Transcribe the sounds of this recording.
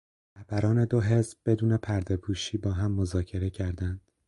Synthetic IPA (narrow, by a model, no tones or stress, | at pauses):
ɾæhb̥æɾɒːne̞d̪o̞ɦe̞zbb̥e̞d̪uːne̞pʰæɾd̪e̞pʰuːʃiːbɒːɦæmːo̞zɒːcʰe̞ɾe̞cʰæɾd̪ænd̪̥